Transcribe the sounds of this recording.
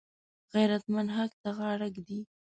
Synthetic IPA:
ɣajɾat̪manɦakt̪aɣɑɽaɡd̪i

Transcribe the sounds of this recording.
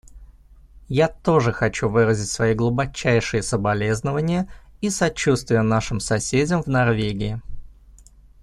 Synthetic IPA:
jat̪o̞ʐɨxɐt͡ɕuvɨɾəzʲɪtʲsvɐiɡlˠʊbɐt͡ɕæjʂɨjəsəbɐlʲe̞znəvənʲɪjəisɐt͡ɕːust̪vʲɪjənaʂɨmsɐsʲedʲəmvnɐrvʲeɡʲɪɪ

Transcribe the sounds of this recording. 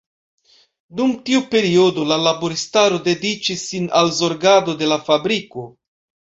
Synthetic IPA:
dumtiupe̞ɾio̞do̞lalaboɾistaɾo̞de̞dit͡ʃisːinalzo̞ɾɡado̞de̞lafabɾiko̞

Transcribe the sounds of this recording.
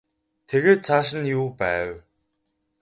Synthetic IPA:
t̪ʰeɣeːt̪̚t͡sʰaːʃ̬ə̆njuːpæːw

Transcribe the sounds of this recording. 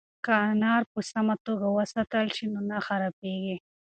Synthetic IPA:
kanɑɾpəsamat̪oɡawəsat̪əlʃinonaxaɾapeɡi

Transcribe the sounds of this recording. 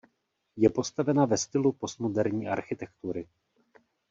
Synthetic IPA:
jɛpo̞st̪avɛnavɛst̪ɪlupo̞st̪modɛɾɲiːʔa̰ɾxɪt̪ɛkt̪uɾɪ

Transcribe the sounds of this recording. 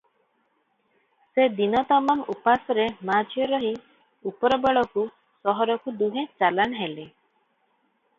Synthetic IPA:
sed̪inɔt̪ɔmamupasɔɾemad͡ʒʱjɔɾɔɦi | upɔɾɔbeɭɔku | sɔɦɔɾɔkud̪uɦẽt͡ʃalanɔɦele

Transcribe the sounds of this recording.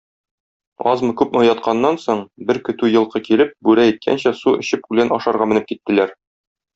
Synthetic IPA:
ɒzmɤkʉp̚nŏjɑt̪qʰɑnːɑnsoɴbɘɾkɵ̆t̪ʉjɤ̆lˠqɤkilɘp̚bʉɾæit̪̚kʰæ̰nɕæsuɘ̆ɕɘp̚kʉlænɒʃɑɾʁɑmɘ̆nɘp̚kit̪ːɘ̆læɾ

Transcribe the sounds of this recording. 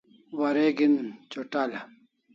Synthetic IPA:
wɐɾeɡint͡ɕoʈala

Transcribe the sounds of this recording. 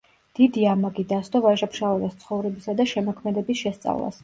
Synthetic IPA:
d̪̥id̪iamaɡid̪ast̪ɔvaʒapʃalɛɾast̪sʰχɔvɾɛbisad̪aʃɛmɔkʰmɛd̪ɛbisʃɛst̪sʼa̰vlˠa̰s

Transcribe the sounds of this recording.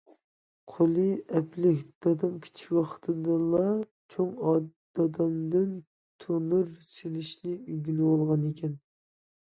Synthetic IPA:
qʰolˠɨɛplɪkʲd̪̥ɑd̪ɑmkʲʰi̥t͡ʃʰi̥kwɑqʰt̪ʰɨd̪ɨlˠɑ | t͡ʃʰoŋɑd̪ɑd̪ɑmd̪ɨn | t̪ʰonuɾselɪʃnɪyɡʲilɪwolˠʁɑnekʲʰɛn

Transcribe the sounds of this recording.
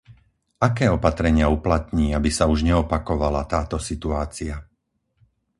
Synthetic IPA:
ʔakɛːɔpat̪ɾɛɲɪauplat̪ɲiːabisauʒɲɛɔpakɔʋalat̪aːt̪ɔsit̪uaːt͡sia

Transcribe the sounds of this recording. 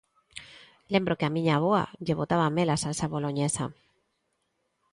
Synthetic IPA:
lembɾokeamĩɲaβoa̰ʎeβ̞ot̪aβamelasaesaβoloɲesa̰

